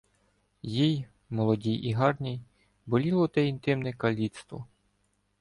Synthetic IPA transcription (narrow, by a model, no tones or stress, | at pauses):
jij | mɔlˠɔdʲijʔiɦɑrnʲij | bɔlʲilˠɔt̪ɛint̪ɪmnɛkɐlʲit̪st̪ʋɔ̰